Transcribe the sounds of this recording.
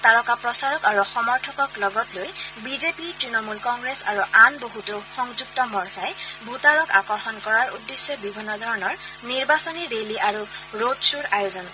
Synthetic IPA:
taɹɔkapɹɔsaɹɔkaɹuxɔmɔɹtʰɔkɔklɔɡɔtlojbizepitɹinɔmulkɔŋɡɹesa̰ɹuʔanboɦutʊxɔŋzuk̚tɔmɔɹsajbutaɹɔkakɔɹxɔnkɔɹaɹudːesːɔbibʱinːɔdʱɔɹɔnɔɹniɹbasɔniɹeliʔaɹuɹodsuɹajozɔn

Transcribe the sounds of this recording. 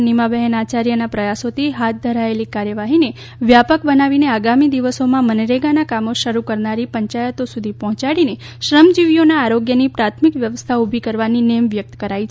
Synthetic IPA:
nimabɛɦənat͡ʃaɾjənapɾəjasot̪ʰiɦat̪̚ʰd̪ʱəɾaelikaɾjəʋaɦine | ʋjapəkbənaʋineaɡamid̪iʋəsomãmənɾeɡanakamoʃəɾukəɾnaɾipəɲt͡ʃajət̪osud̪ʱipɔ̃ɦt͡ʃaɽine | ʃɾəmd͡ʒiʋjonaːɾoɡjənipɾat̪ʰmikʋjəʋəst̪ʰaubʱikəɾʋaninemʋjək̚t̪kəɾait͡ʃʰ

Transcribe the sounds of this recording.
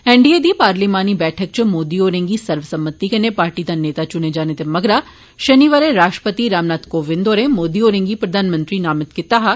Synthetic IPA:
ɛ̃ɳɖied̪ipaːɾliːmaːnibɛːʈʰək̚t͡ʃmoːd̪ioːɾẽːŋɡisɐɾʋsɐmbət̪ːikɐnepaːɾʈid̪aneːt̪at͡ʃʊned͡ʒaːnet̪emɐɡɾaː | ʃɐniʋaɾeɾaːʃʈəpət̪iɾaːmnaːt̪koːʋɪ̃nd̪oːɾẽmoːd̪ioːɾẽŋɡipɾɐd̪ʱaːnmə̃nt̪ɾinaːmɪt̪kɪt̪aɦa

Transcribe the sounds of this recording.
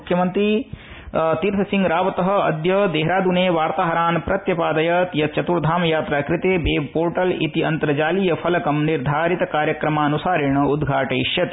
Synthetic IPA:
ukʰːjɐmɐnt̪ɾi | t̪iːɾt̪ʰɐsiŋɡɾaːʋɐt̪ɐɦɐ̆ɐd̪jɐːd̪eːɦɾaːd̪uneːʋaːɾt̪aːɦɐɾaːnpɾɐt̪jɐpaːd̪ɐjɐt̪jɐt͡ʃɐt̪uɾd̪ʱaːmɐjaːt̪ɾaːkɾɪt̪eːbeːpoːɾʈɐlḭt̪iɐnt̪ɾɐd͡ʒaːlijɐpʰɐlɐkɐmniɾd̪ʱaːɾit̪ɐkaːɾjɐkɾɐmaːɐnusaːɾiɳɐud̪ɡʱaːʈeːʃjɐt̪

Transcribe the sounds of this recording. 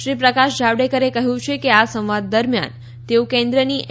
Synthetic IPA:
ɾipɾəkaʃd͡ʒaʋɽekəɾekəɦjũt͡ʃʰekeasə̃mʋad̪ːəɾmja̰n | t̪eõkɛ̃nd̪ɾəni

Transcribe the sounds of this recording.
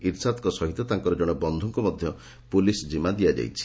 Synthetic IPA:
iɾsat̪kɔsɔɦit̪ɔt̪aŋkɔɾɔd͡ʒɔɽ̃ɔbɔnd̪ʱuŋkɔmɔd̪ʱjɔ | pulisd͡ʒimad̪ijad͡ʒa̰jt͡ʃʰi̥

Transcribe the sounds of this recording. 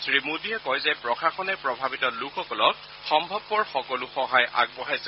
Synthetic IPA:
sɹimudiɛkɔjzɛpɹɔxaxɔnɛpɹɔbʱabitɔlukʰɔkɔlɔk̚ | xɔmbʱɔbːɔɹxɔkɔluxɔɦajʔa̰ɡ̚bɔɦajsɛ

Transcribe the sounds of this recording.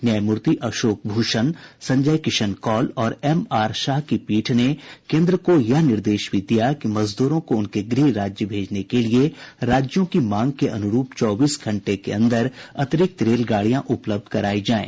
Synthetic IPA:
njəjmʊɾt̪iʔɐʃoːk̚bʱuːʃənsɐ̃ɲd͡ʒəjkɪʃənkɔːlɔːɾɛmaːɾʃaːɦkipiːʈʰnekẽːnd̪ɾəkojɐɦnɪɾd̪eːʃbʱid̪ijakimɐzd̪uːɾõkoʊnkeɡɾiːɾaːd͡ʒjəbʱeːd͡ʒnekelieɾaːd͡ʒjõkimãːŋɡ̚keʔɐnʊɾuːpt͡ʃɔːbiːsɡʱɐ̃ɳʈekḛɐ̰̃nd̪əɾɐt̪ɪɾɪk̚t̪ɾeːlɡaːɽijãʔʊpləb̚d̪ʱkɐɾaːid͡ʒaːḛ̃ː

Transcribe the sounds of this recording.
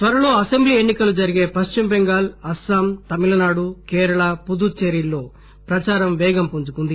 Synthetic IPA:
t̪ʋɐɾɐlo̞ːɐsembliːe̞nːikɐlud͡ʒɐɾiɡe̞ːpɐʃt͡ʃimbeŋɡaːlɐsɐmt̪ɐmilɐnaːɽukɛːɾɐɭɐpud̪uɾt͡ʃeɾilːo̞ː | pɾɐt͡ʃaːɾɐmʋɛːɡɐmpuɲd͡ʒukund̪i

